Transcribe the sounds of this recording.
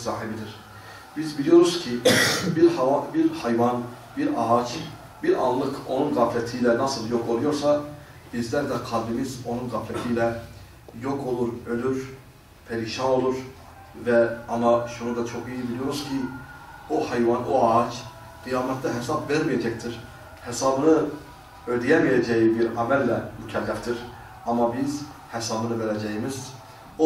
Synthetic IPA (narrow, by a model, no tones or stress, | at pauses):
sɑːɦibid̪iɾ | b̥izbilijo̞ɾuz̥cʰibiɾhɑvɑbiɾhɑjvɑn | biɾɑ̰ɦɑt͡ʃʰ | biɾɑ̰lˠlːˠɯkʰo̞nunɡɑːflæt̪ʰijlænɑsɯlˠjo̞kʰo̞lˠujo̞ɾsɑ | b̥izlæɾd̪æqʰɑlˠbimizo̞nunɡɑflæt̪ʰijlæ | jo̞kʰo̞lˠuɾø̞lyɾ | pʰæɾiʃɑno̞lˠuɾ | væɑnɑʃunud̪ɑt͡ʃʰo̞χijibilijo̞ɾuz̥cʰi | ohæjvɑnoɑt͡ʃ | ɡ̥ijɑːmæt̪ʰːd̪æɦesɑbveɾmijæd͡ʒæct̪ʰiɾ | hesɑbɯnɯ | ød̪ijæmijæd͡ʒæjibiɾæmælːæmycʰælːæft̪iɾ | ɑmːɑbiz | hæsɑbɯnɯveɾæd͡ʒæjimiz | o